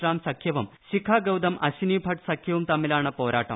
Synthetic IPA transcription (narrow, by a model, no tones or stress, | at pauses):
ɾaːmsɐkʰjɐʋɐmɕikʰaːɡɐwd̪ɐmʔɐ̰ɕiniːbʱɐʈsɐkʰjɐʋumt̪ɐmːilaːɳɨpoːɾa̰ːʈːɐ̰m